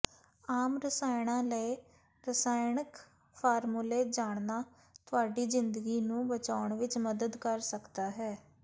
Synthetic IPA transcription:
aːmɾəsaːɪɽ̃ãːləe | ɾəsaːjɳɪk | pʰaːɾmuleːd͡ʒaːɳnaː | t̪ʊaːɖiːzɪnd̪əɡiːnũːbət͡ʃaːʊɳʋɪt͡ʃməd̪əd̪kəɾsəkd̪aːɦɛː

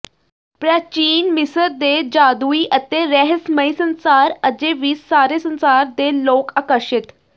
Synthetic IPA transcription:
pɾat͡ɕiːnmisəɾd̪ed͡ʑad̪uiʔət̪eɾɛɦəsməisənsaɾəd͡ʑeʋiːsːaɾesənsaɾd̪elokakəʂit̪

